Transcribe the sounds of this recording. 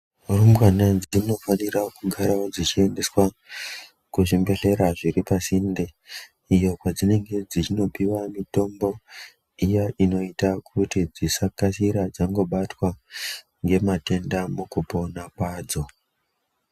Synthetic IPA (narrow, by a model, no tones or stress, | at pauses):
rumbwanad͡zino̞fanirakuɡʱaɾaod͡zit͡ʃie̞nde̞swa | kuʐimbe̞ɮe̞ɾaʐiɾipasinde | ijo̞kwad͡zine̞ŋɡe̞d͡zit͡ʃino̞piwamito̞mbo̞ | ijaʔino̞itakʰutid͡zisakasiɾad͡zaŋɡo̞ɓatwa | ŋɡe̞mate̞ndamukupo̞nakwaːd͡zo̞